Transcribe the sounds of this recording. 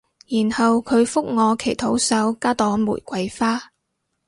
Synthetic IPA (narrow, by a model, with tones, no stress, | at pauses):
jiː˨˩nhɐ˨wkʰɵ˨˧ɥfʊ˥k̚ŋɔː˨˧kʰe˨˩jt̪ʰo˨˥wsɐ˨˥wkaː˥t̪ɔː˨˥ŋmṵː˨˩jkʷɐ˨˧jfaː˥